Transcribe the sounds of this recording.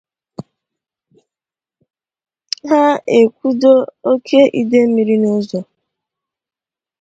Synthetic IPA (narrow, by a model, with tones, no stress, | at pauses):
ɦa˦e˨kʷu˦do˦o˦kʰe˦ʔi˦de˦mi˨ɾi˦no˦zɔ˨